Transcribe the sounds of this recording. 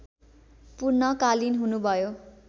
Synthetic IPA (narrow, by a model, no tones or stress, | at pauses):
purnʌkalinɦunubʱʌjo